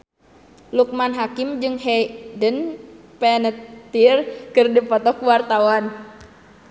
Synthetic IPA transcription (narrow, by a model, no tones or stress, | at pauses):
luk̚manɦakimd͡ʒɨŋɦɛdən | pɛnət̪irkɨrdipɔt̪ɔkuwart̪awan